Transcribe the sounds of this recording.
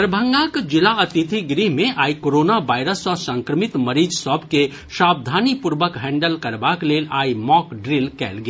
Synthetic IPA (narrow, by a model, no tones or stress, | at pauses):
ɾbʱə̃ŋɡaːkd͡ʒɪlaɐt̪ɪt̪ʰiɡɾiɦmẽʔaːikoːɾoːnaʋaːɪɾəsɔːɾsɐ̃ŋkɾəmɪt̪mɐɾiːd͡ʒsɔbʱke | ʃaːb̚d̪ʱaːnipʊɾʋəkɦɛ̃ːɳɖəlkɐɾbakleːlaːimɔːkɖɾɪlkɛ̰ːlɡ